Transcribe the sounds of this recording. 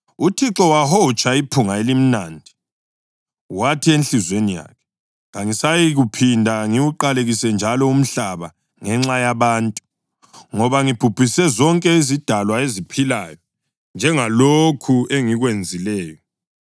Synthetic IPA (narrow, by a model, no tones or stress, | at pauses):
utʰiǁɔwahɔt͡ʃʼaipʰuŋaelim̩naːndʱi | watʰienɬizwenija̰kʰɛ̥ | ɣaŋisajiɣupʰindʱaŋiuǃaleɣisɛnd͡ʒʱalɔum̩ɬaβa | ŋɛŋ͡ǁajaβaːntʼu | ŋɔβaŋib̥ʱub̥ʱisɛzɔŋkʼɛizid̥ʱalwaezipʰilaːjɔ | nd͡ʒʱɛŋalokʰueŋiɣwend͡zʱilɛːjɔ